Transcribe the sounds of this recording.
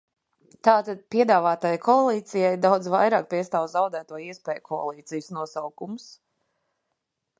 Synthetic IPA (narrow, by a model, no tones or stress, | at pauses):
t̪aːt̪ad̪̚piɛd̪aːvaːt̪ajkʰɔalˠiːt̪sijajd̪awd̪zvajɾaːk̚piɛst̪aːwzawd̪æːt̪uɔiɛspɛːjukʰɔa̰lˠiːt̪sijsnuɔsawkumʊs